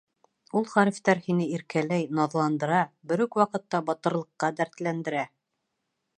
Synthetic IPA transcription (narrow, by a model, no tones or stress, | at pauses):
ulˠχɑɾift̪æɾhinɘiɾkælæjnɑðlˠɑnd̪ɤ̆ɾɑbɘ̆ɾʉkwɑqɤ̆t̪ːɑbɑt̪ɤ̆ɾlˠɤ̆qːɑd̪æɾt̪lænd̪ɘ̆ɾæ